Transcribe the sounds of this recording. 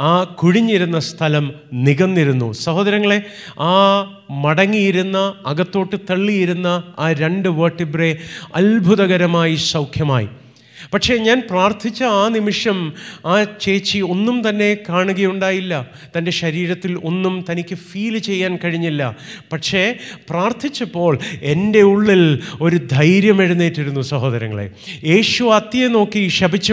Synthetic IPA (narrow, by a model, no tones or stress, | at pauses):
aːkuɻiɲːiɾunːɐst̪ʰɐlɐmniɣɐnːiɾunːṵsɐhoːd̪ɐɾɐŋːɐɭe̞ | aː | mɐɽɐŋːijiɾunːɐːɣɐt̪ːo̞ːʈːɨt̪ɐɭːijiɾunːɐaːɾe̞ɳɖɨʋoːʈːibreɐ̰lbʱuðɐɣɐɾɐmaːjisɐwkʰjɐma̰ːjḭ | pɐʈʂe̞ɲaːnpraːrt̪ʰit͡ɕːɐaːnimiʂjɐmaːt͡ɕe̞ːt͡ɕːio̞nːumt̪ɐnːe̞kaːɳuɣɐjuɳɖaːjilːɐ | t̪ɐnde̞ɕɐɾiːɾɐt̪ːilo̞nːumt̪ɐnikʲːɨfiːlt͡ɕe̞jːaːnkɐɻiɲːilːɐ̰pɐʈʂe̞praːrt̪ʰit͡ɕːɐpːo̞ːɭe̞nde̞uɭːilo̞ɾud̪ʱɐjɾjɐme̞ɽunːiːʈːiɾunːusɐɦo̞ːðɐɾɐŋːɐ̰ɭḛjeːʂuɐt̪ːjɐno̞ːkːiɕɐbʱit͡ɕːɐ